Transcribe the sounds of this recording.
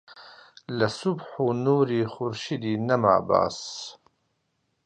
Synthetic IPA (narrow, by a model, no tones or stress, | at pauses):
lasʊbħunuːɾiːxʊɾʃid̪iːnɐma̰ːba̰ːs